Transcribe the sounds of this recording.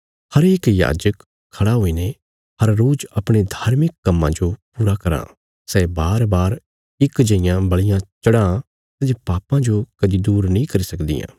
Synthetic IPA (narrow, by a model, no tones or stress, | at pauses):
hɐɾeːkja̰ːd͡ʒək | kʰːɐɽaɦoːine | hɐɾːoːd͡ʒɐpɽ̃ed̪ʱaːɾmɪkːɐmːãd͡ʒopuːɾakɐɾã̰ː | sɛːbaːɾbaːɾ | ɪkd͡ʒɐ̃ɪjãbɐɭɪjãt͡ʃɐɽã | t̪ɐd͡ʒepaːpãd͡ʒokɐd̪id̪uːɾnɐĩkɐɾisɐkd̪ḭjã̰ː